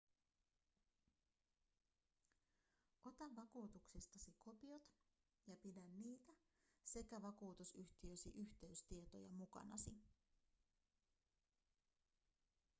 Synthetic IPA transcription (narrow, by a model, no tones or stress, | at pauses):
ʔo̞t̪ɑʋʋɑkuːt̪uksest̪ɑsiko̞pio̞t̪ | jɑpidænːiːt̪æ | se̞kæʋɑkuːt̪usyçt̪iøsiʔyçt̪e̞yst̪iet̪o̞̰jɑ̰mukɑ̰nɑ̰si